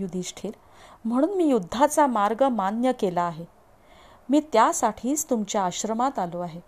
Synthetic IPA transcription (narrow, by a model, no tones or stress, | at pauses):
jud̪ʱiɕʈʰiːɾ | m̤əɽ̃uːnmiːjud̪ʱːat͡samaɾɡəmanjəkelaːɦe | miːt̪jasaʈʰiːt͡st̪umt͡ɕjaːɕɾəmat̪aloaɦe